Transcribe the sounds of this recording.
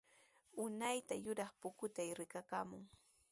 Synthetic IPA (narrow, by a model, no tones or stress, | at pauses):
ʊnajt̪ajʊɾɑχpʊkʊt̪ajɾɪkakaːmʊŋ